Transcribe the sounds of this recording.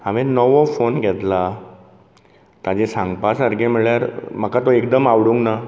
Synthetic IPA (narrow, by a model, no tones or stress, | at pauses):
amenəʋofonɡʱɛt̪la | t̪ad͡ʑesãŋɡpasaɾɡemiɭjaɾm̤əkat̪oek̚d̪əmaʋɽuŋɡna